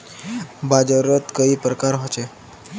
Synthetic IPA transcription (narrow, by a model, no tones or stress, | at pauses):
bad͡ʑəɾət̪kəiːpɾəkaɾɦot͡ʃe